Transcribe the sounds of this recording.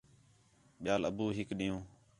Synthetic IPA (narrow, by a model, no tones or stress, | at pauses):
ɓɪjaːləbuːɦɪkɗijũː